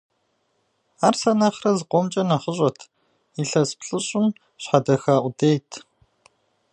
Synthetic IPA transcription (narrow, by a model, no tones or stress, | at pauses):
aːrsɐnɐχrɐzqʷɔmt͡ʃʼɐnɐχəɕʼɐtʰ | iɬɐspʰɬʼɨɕʼɪm | ɕħadɐxaːʔʷʊdeːtʰ